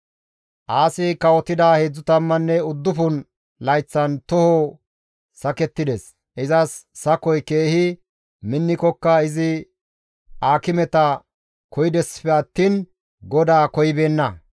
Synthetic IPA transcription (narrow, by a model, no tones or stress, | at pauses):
ʔaːsɪkɐwɔt̪ːɪd̪aːheːd͡zːʊt̪ɐmːɐnːɛʊd̪ːʊfʊn | lɐjt͡sːɐnt̪ɔhɔ | sɐkɛt̪ːɪd̪ɛs | ʔɪzɐsːɐkɔjke̞ːhɪ | mɪnːɪkɔkːɐɪzɪ | aːkɪmɛt̪ɐ | kɔjɪd̪ɛspɛɐt̪ːiːn | ɡɔd̪aːkɔjɪbeːnːɐ